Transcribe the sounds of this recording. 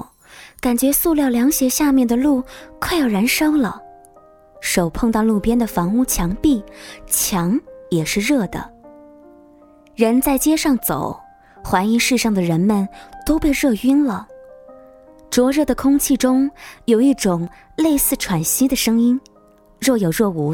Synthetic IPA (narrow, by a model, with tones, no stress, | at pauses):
ka˨˩nt͡ɕɥɛ˧˥su˥˧ljɑ˥˩ʊljɑ˧˥ŋɕjɛ˧˥ɕja˥˧mjɛ˥˩nd̪ə˩lu˥˩kʰa˥˩ɪjɑ˨˩ɻa˧˥nʂɤ˥ŋlə˨ | ʂo˨˩ʊpʰɤ˥˧ŋt̪ɑ˥˧ʊlu˥˩pjɛ˥nd̪ə˨fɑ˧˥ŋu˥˩t͡ɕʰjɑ˧˥ŋpi˥˩t͡ɕʰjɑ˧˥ŋjɛ˨˩ʂɻ̩˥˧ɻɤ˥˩d̪ə̰˩ | ɻə˧˥nt͡sa˥˧ɪt͡ɕjɛ˥ʂɑ˥˩ŋt͡so̰˨˩˦ʊ | xwa˧˥ni˧˥ŋʂɻ̩˥˧ʂɑ˥˩ŋd̪ə˩ɻə˧˥nmə˨nt̪o˥ʊpe˥˧ɪɻɤ˥˩i˥nlə˨ | ʈ͡ʂwɔ˧˥ɻɤ˥˩d̪ə˩kʰʊ˥ŋt͡ɕʰi˥˩ʈ͡ʂʊ˥ŋjo˨˩ʊi˥˩ʈ͡ʂʊ˨˩ŋ | le˥˧ɪsɹ̩˥˩ʈ͡ʂʰwa˨˩nɕi˥d̪ə˨ʂɤ˥ŋi˥n | ɻɔ˥˩jo˨˩ʊɻɤ˥˩u˧˥